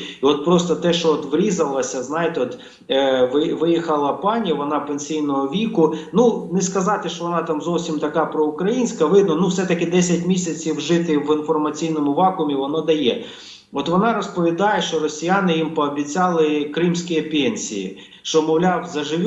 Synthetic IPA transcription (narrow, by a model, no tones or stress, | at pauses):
iɔt̪̚pɾɔst̪ɔt̪ɛʃt͡ʃɔɔt̪ʋɾʲizɐlˠɐsʲɐznɑjet̪ɪɔt̪ | ʋɪʋɪjixɐlˠɐpɑnʲjɐʋɔnɑpenʲsʲijnɔɦɔʋʲikʊnunɪskɐzɑt̪ɪʃt͡ʃɔʋɔnɑt̪ɑmzɔwsʲimt̪ɐkɑpɾɔʊkɾɐjinʲsʲkɐʋɪd̪nɔnuwsɛt̪ɐkɪd̪ɛsʲɐtʲmʲisʲɐt͡sʲiwʒɪt̪ɪʋɪnfɔrmɐt͡sʲijnɔmʊʋɑkʊmʲiʋɔnɔd̪ɐjɛ | ɔt̪ʋɔnɑɾɔspɔʋʲid̪ɑjeʃt͡ʃɔɾɔsʲijanɪjimpɔɐbʲit͡sʲɑlˠɪkɾɪmsʲkɪjɐpʲenʲsʲḭjḭ | ʃt͡ʃɔmɔwlʲɑwzɐʒɪʋʲ